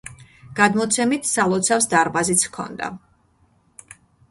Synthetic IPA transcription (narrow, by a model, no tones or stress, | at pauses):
ɡ̥ad̪mɔt̪sʰɛmit̪ʰsalˠɔt̪sʰafsd̪aɾbazit̪sʰkʰɔ̰nd̪a̰